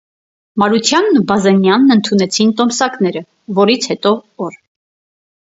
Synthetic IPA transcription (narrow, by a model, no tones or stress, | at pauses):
mɑɾut̪ʰjɑnːubɑzɛnjɑnːənt̪ʰunɛt͡sʰint̪ɔmsɑknɛɾə | vɔɾit͡sʰhɛt̪ɔɔɾ